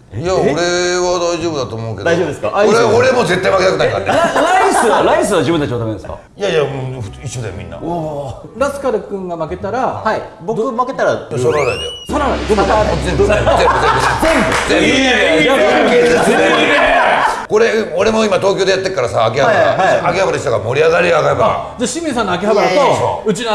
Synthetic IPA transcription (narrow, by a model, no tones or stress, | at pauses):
jaoɾe̞βad̪aiʑo̞ːbɯd̪at̪oːmo̞ɯ̟ked̪aiobɯd̪eskaoɾeoɾemo̞ːze̞t̪ːaimaket̪akɯnaika̰t̪ːeɾaiɨɾaisɨβad͡ʑɨbɯ̟nt̪at͡ɕiβat̪amend̪eska̰ | jajamo̥iɕːo̞d̪ajomʲḭ̃nːa̰ | ɾasɨ̥kad̪ɯkɯ̟̃ŋɡamake̞t̪aɾahai | bok̪ɯmaket̪aɾasoaɡ̪ad̪a̰jo̰saɾaɾad̪osaot͡ɕizẽmoẽbɯt̪embɯt̪ẽbɯt̪ẽmbɯzẽmbaãkeːse | ko̞ɾe̞oɾe̞mo̞imat̪o̞ːkʲoːd̪eat̪ːekaɾasaːk̬ʲehabaa̰akehabad̪eɕit̪aɡamo̞ɾʲiaɣaɾiaɡaɾebaa̰ | d͡ʑaɕĩmʲĩs̬ãnoak̬ʲehabat̪oso̰ɯ̟t͡ɕino